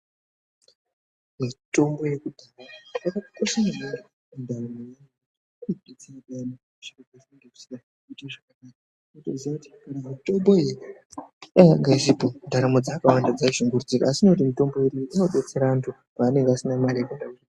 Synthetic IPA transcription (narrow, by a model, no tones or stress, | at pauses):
mito̞mbo̞je̞kudʱaramajakakukoʃanamari | undaramojan | ipit͡siiɗanakuʂikakazieŋɡei̥sika | kuteʐakanaːka | otoziauti̥kanamito̞mbo̞e | aŋɡaizipondʱaɾamo̞d͡zaːkawandad͡zaiʒiŋɡurud͡zikaasino̞timito̞mbo̞iɾiʔanoɓet͡seɾantʰu | paːne̞ŋɡasinamaɾiakundauri